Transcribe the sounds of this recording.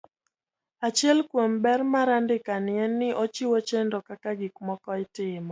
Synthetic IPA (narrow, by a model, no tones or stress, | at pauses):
at͡ʃjɛlkwombɛrmaɾandɪkanɪɛnːɪʔot͡ʃiwot͡ʃendɔkakaɡikmɔkɔɪtɪmɔ